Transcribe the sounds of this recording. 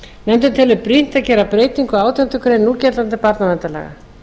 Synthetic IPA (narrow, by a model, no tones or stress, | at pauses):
nɛmt̪̬ʏmt̪ʰɪlvʏpɾin̥t̪aðcɛːɾapɾeːjt̪iŋkʏaːwt̪jant̪ʏkʰɾejnːuːcɛt̪lant̪ɪpaɾt̪navɛnt̪alɛ̰ːɣa̰